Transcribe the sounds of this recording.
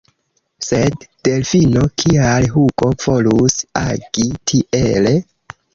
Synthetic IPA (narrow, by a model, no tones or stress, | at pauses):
se̞d̥ːe̞lfino̞kʰialɦukʼo̞v̥o̞lusa̰ɡ̥itʰiʔele